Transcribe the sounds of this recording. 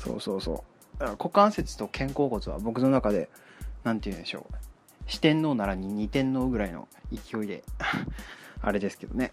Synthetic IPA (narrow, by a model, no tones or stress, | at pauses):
so̞̰ːso̞̰ːso̞̰ː | nako̞kãɰ̃se̞t͡sɨ̥t̪o̞kʰẽ̞ŋko̞ːko̞t͡sɨβa̰bo̞kɯ̟no̞nakad̪e̞̰ | nãnt̪eiɯ̟̃nd̪e̞ɕo̞̰ː | ɕi̥t̪ẽ̞nːo̞ːnaɾaɲ̟iɲ̟it̪ẽ̞nːo̞ːɡɯ̟ɾaino̞̰ikʲio̞id̪e̞̰ | a̰ɾe̞d̪e̞sɨ̥ke̞d̪o̞̰ne̞